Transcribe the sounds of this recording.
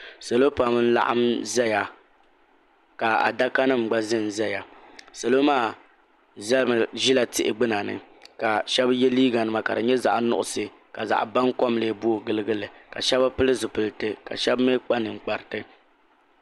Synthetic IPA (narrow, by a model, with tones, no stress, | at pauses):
sa˨lo˦pa˨m˦n̩˦la̰˦ʔa̰˦mzɛ˦ja˨ | ka˨a̰˨da˦ka˦nɨ˦m˨ɡ͡ba˦zɨ˦˨n˨zɛ˦ja˨sa˨lo˦maː˦˨ | zɛ˦m˨ʒi˦la˨tɪ˦ʔɪ˨ɡ͡bɨ˦na˨nɨ̰˨ka˨ʃɛ˦bjɛ˦liː˦ɡa˨nɨ˦ma˨ka˨dɨ˨ɲɛ˦za̰˨ʔnʊ̰˦ʔʊ˨sɨ˨ | ka˨za̰˨ʔba˦ŋkɔ˦m˦leː˦bu˦o˦ɡɨ˦lɨ˦ɡɨ˦lɨ˨ka̰˨ʃɛ˦ba˦pɨ˦lɨ˦zɨ˨pɨ˨ltɨ˦ka̰˨ʃɛ˦bme˦k͡pa˦nɨ˨ŋ͡m̩˨k͡pa˨ɾɨ˨tɨ˦